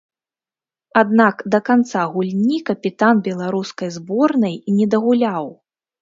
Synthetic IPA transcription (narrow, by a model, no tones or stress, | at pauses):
ad̪nakd̪ɐkant̪saɣulʲnʲikɐpʲit̪anbʲɛlˠaɾuskɐjzbɔrnɐjnʲɛd̪ɐɣulʲaw